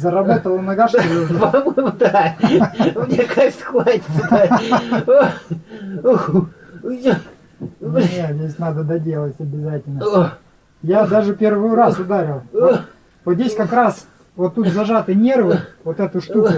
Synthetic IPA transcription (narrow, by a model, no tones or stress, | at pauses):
zəɾɐbat̪əlˠənɐɡaʂt̪ɪjopmd̪a | nʲekajsxvaɪ̥a | nʲet̪zʲesʲnad̪əd̪ɐdʲelˠətʲɐbʲɪzatʲɪlʲnə | jad̪aʐɨpʲe̞rvɨjʊɾasʊd̪aɾʲɪlˠ | vot̪zʲdʲesʲkɐkɾas | vot̪ːut̪zɐʐat̪ɨjnʲe̞rvɨvot̪ɛt̪ʊʂt̪ukʊ